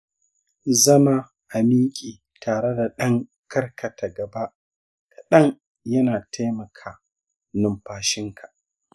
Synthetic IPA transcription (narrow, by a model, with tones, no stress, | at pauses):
zɐ˦ma˨ | ʔa˨miː˦kʲʼiː˨ | taː˨ɽe˦da˨ɗɐ˦ŋ | kɐ˦rkʰɐ˨ta˨ɡɐ˨ba˦ʔ | kʰa˨ɗɐ˦ŋ | jɐ˦naː˨tʰa˦jmɐ˨kʰaː˨ | nʊ˨mɸaː˨ʃɪ˦ŋkʰa˨ʔ